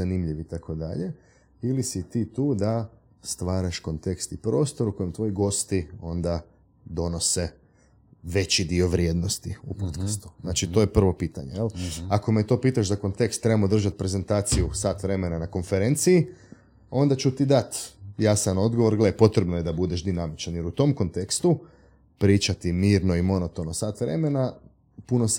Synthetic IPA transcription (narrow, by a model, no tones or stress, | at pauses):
animʎiʋit̪akʰo̞d̪a̰ʎe̞ | ilisit̪it̪uːd̪a | st̪ʋaːɾaʃko̞nt̪e̞kst̪ipɾo̞ːst̪o̞ɾuko̞jemt̪ʋo̞jiɡo̞st̪io̞nd̪a | d̪o̞no̞se̞ | ʋe̞t͡ɕid̪io̞ʋɾjeːd̪nost̪iupot̪kast̪u̥znat͡ʃit̪ojepr̩ʋo̞piːt̪a̰ɲejelako̞met̪o̞ːpiːt̪aʃzako̞nt̪e̞kst̪ːɾebamod̪r̩ʒat̪pɾe̞ze̞nt̪aːt̪sijusaːt̪ʋɾe̞me̞nanako̞nfeɾent̪sii | o̞nd̪at͡ʃut̪id̪at̪jasano̞d̪ɡoʋo̞ɾɡleepo̞t̪ɾebnojed̪abud̪eʃd̪inamit͡ʃanjeɾut̪o̞mko̞nt̪e̞kst̪u | pɾiːt͡ʃat̪imiːɾno̞imo̞not̪onosaːt̪ʋɾe̞̰me̞na | punos